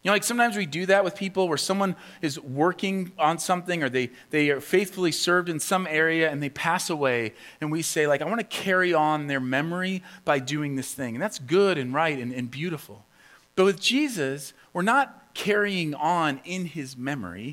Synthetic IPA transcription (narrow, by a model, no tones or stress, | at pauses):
jɨnolaɪksʌ̃mtãɪ̃mzwidɨðɨt̚wɨð̥pʰipl̩ˠwə˞sʌ̃mwʌ̃n | ɨzwɜ˞kɪ̃ŋə̃nsʌ̃mθɪ̃ŋə˞ðeɪ | ðeɪfeɪθfl̩ˠisɜ˞vdɨ̃nsʌ̃mɛɹiɨɨ̃nðeɪpʰæsəweɪ | ɨ̃nwiseɪlaɪkaɪwɑ̃ñɨkʰɛɹiə̃nðə˞mɛmə˞ib̥aɪdʉɪ̃ŋðɪsθɪ̃ŋɨ̃n̩ðætsɡ̥ʊɾɨ̃nɹaɪɾɨ̃nɨ̃nbjʉɾəfl̩ˠ | b̥ʌt̚wɨðd͡ʒizɨs | wəɹnət̚kʰɛɹiɪ̃ŋə̃nɪ̃nɪzmɛmə̰˞ḭ